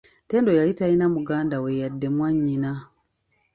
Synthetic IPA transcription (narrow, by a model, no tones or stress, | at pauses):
te̞ːndojajitainamuɡaːndawejadːe̞mwaɲːina